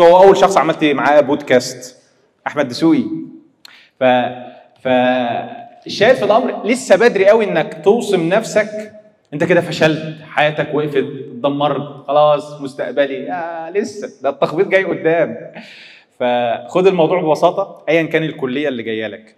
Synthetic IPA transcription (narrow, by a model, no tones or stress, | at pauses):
howːæʔæwːælʃɑxsˤʕamælt̪maʕaːbod̪kæst̪ | ʔaħmæd̪ːsuːʔi | fæ | fæ | eʃːæːjeɾfilʔɑmɾlesːæbæd̪ɾiʔæwiʔenːækt̪owsˤemnæfsæk | ʔent̪æked̪æfæʃælt̪ħajæːt̪ækweʔfet̪̚d̪ɑmːɑɾˤt̪xɑlɑːsˤmost̪æ̰ʔbæliælesːæd̪æt̪ːæxbiːt̪̚ˤɡæjːʔod̪ːæːm | fæxod̪elmɑwd̪ˤuːʕbebɑsɑːt̪ˤɑʔæjːænkæːnelkolːejːælːiɡæjːælæk